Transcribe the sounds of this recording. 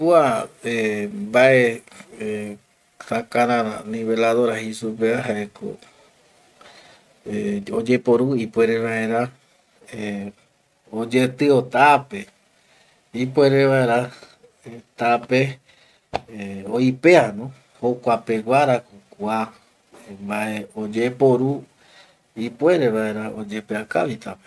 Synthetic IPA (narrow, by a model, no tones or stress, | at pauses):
puaembaʔee | sakaɾãɾanĩβelaðoɾahisupeaɦaeko̰ | eod͡ʒe̞poɾuipweɾeβae̞ɾa | e | od͡ʒet̪ɨot̪ape | ipwe̞ɾeʋaeɾa | et̪ape̞ | oipe̞anõ | hokʷape̞waɾakokua | mbaʔeod͡ʒepo̞ɾu | ipwe̞ɾe̞βae̞ɾaod͡ʒe̞peakaʋit̪ape̥